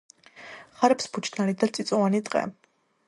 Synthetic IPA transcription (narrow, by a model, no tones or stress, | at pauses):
χaɾɛpsbut͡ʃ̪ʰnalid̪at̪sʼit̪sʼɔvanit̪ʼqʼɛ̰